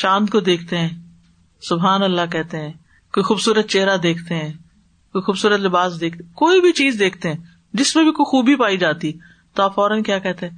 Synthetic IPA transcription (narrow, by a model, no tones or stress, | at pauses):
ʃãːnd̪kod̪eːkʰt̪eɦɛ̃ː | sʊbɦaːnəlːaːk̬ɛːt̪eɦɛ̃ː | koixuːbsuːɾət̪̚t͡ʃeːɦɾad̪eːkʰt̪eɦɛ̃ː | koixuːbsuːɾət̪lɪbaːsd̪eːk̚t̪ekoːibʱit͡ʃiːzd̪eːkʰt̪eɦɛ̃ː | d͡ʒɪsmẽbʱikoixuːbʱipaːid͡ʒaːt̪i | t̪oaːfɔːɾənkjaːkɛːt̪eɦɛ̃ː